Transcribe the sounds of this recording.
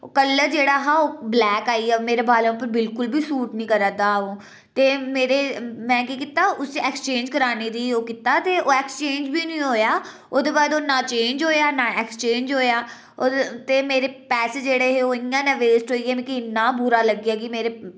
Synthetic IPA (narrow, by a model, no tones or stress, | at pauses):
kəlːəɾd͡ʒeːɽaːɦaːoːblɛːkaːiːɛːmeːɾeːbaːlẽʊpːəɾbɪlkʊlbiːsuːʈnĩːkəɾəd̪aːõː | t̪eːmeːɾeːmɛ̃ːkiːkɪt̪aːʊseɛːkst͡ʃẽːnd͡ʒkəɾaːneːd̪iːoːkɪt̪aːt̪eːʔoːɛːkst͡ʃẽːnd͡ʒbiːnĩːɦoːjaː | oːd̪eːbaːd̪oːnaːt͡ʃẽːɲd͡ʒɦoːjaːnãːɛːkst͡ʃẽːnd͡ʒɦoːjaː | t̪eːmeːɾeːpɛːsed͡ʒeːɽeːɦeːoːɪãːnãːʋeːsʈɦoːiːɛːmɛ̃ːkɪnaːbuɾaːləɡjaːɡiːmeːɾeː